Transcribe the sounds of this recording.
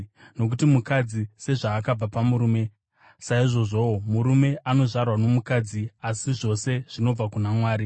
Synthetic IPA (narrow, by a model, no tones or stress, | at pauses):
no̞k̬utimukad͡zise̞ʐaːkab͡vapamuɾuːme̞ | saiʐo̞ʐo̞muɾume̞ʔano̞ʐarwano̞mukaːd͡ziasiʐo̞se̞ʐ̥ino̞b͡vakunamwaːɾi